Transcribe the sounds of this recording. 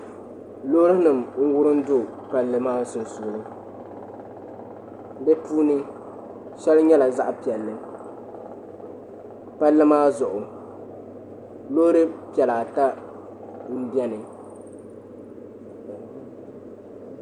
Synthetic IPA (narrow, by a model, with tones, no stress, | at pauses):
lo˦ɾɨ˦nɨ˨mŋ̩˦wʊ˦ɾɨ˦n̩˦dʊ˦ | pa˨lːɨ˨maː˦sʊ˨n˨sʊ˨ɾɨ˦ | dɨ˦puː˦nɨ˦ | ʃɛ˦lɲɛ˦la˨za˦ʔpi˨ɛ˨lːɨ˦ | pa˦lːɨ˦maː˦zʊ˨ʔʊ˨ | loː˦ɾɨ˦pi˨ɛ˨la˨a˨ta˦ | n̩˦bjɛ˦nɨ˨